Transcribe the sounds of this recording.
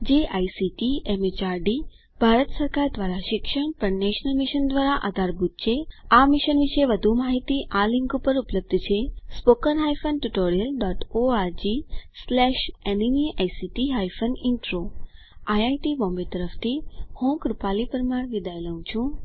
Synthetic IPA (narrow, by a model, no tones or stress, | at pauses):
d͡ʒeʔajsiʈiemet͡ʃaːɾɖi | b̥ʱaɾət̪səɾkaːɾd̪ʋaːɾaʃɪkʃəɳ̃pəɳneʃnəlmiʃənd̪ʋaːɾaʔa̰d̪ʱaɾbut̪̚t͡ʃʰeamɪʃənʋiʃejʋəd̪ʱumaːɦit̪iʔaliŋɡupəɾupləb̚d̪ʱt͡ʃʰespokənɦajfənʈuʈoːɾijəlɖɔːʈoaːɾd͡ʒislɛːʃeniniajsiʈiɦajfəniɳʈɾo | ajajʈibɔ̃ːmbet̪əɾəft̪ʰihũkɾupaːlipəɾmaɽʋ̪id̪ajləũt͡ʃʰũ